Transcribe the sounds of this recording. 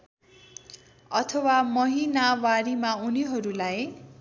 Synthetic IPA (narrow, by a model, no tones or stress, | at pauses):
ʌt̪ʰʌwamʌɦinawaɾimauniɦʌɾulaj